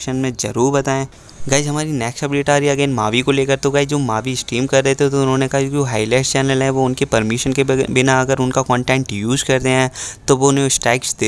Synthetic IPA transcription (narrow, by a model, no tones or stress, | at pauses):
ʃənmẽd͡ʒɐɾuːɾbɐt̪aːẽː | ɡaːɪd͡ʒɦɐmaːɾinɛːksɐbɪlɪʈaːɾiɐɡeːnmaːʋikoleːkəɾt̪oɡaːɪd͡ʒoːmaːʋiɪsʈiːmkɐɾːɛɦet̪ʰet̪oʊnɦõːnekɐɦad͡ʒod͡ʒoːɦaːilɛːst͡ʃɛːnəlɦɛ̃ʋoʊnkepɐɾmɪʃənkebɪnaɐɡəɾʊnkakɔ̃ːɳʈɛ̃ːɳʈjuːzkɐɾt̪eɦɛ̃ːt̪oʋoʊnɦẽsʈɾɛːksd̪eː